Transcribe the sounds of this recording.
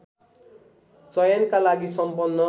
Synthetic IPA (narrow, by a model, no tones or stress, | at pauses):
t͡sʌjʌnkalaɡisʌmpʌnːʌ